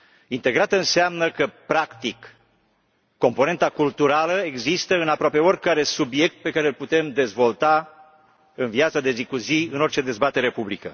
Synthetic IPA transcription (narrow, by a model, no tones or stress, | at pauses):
int̪e̞ɡɾat̪əɨnseamnəkəpɾakt̪ik | o̞mpo̞ne̞nt̪akult̪uɾaləe̞ɡzist̪əɨnapɾoape̞o̞rʲkaɾe̞subje̞k̚t̪̚pe̞kaɾeːlput̪e̞md̪e̞zvo̞lt̪a | ɨnviat̪səd̪e̞zikuziɨno̞rt͡ʃe̞d̪e̞zbat̪e̞ɾe̞publikə